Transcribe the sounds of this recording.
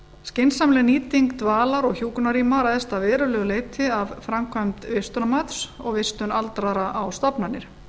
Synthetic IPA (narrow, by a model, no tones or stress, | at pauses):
scɪnsamlɛniːt̪iŋkt̪vaːlaɾɔɣçuːknaɾiːmaɾaðɛst̪avɛːɾʏlɛːɣʏleːjt̪ʰɪavfɾamkʰvamt̪vɪst̪ʏnamat̪sɔɣvɪst̪ʏnalt̪ɾaɾaʔawst̪ɔpnanːɪɾ̥